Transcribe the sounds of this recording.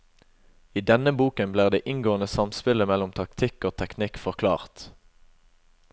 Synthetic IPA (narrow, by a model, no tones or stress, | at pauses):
iːd̪ɛnəbuːkənbliːʁd̪eːʔɪŋɡoːənəsɑmspɪləmɛlːʊmt̪ʰɑkt̪ʰɪkoːt̪ʰɛknɪkfɔʁkʰlɑ̰ːʁt̪